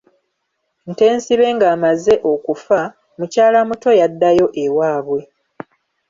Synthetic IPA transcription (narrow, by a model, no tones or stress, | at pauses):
n̩te̞ːnsiβe̞ŋɡaːmaze̞ʔo̞kufa | mucaːlamuto̞jadːajo̞ʔe̞waːβwe̞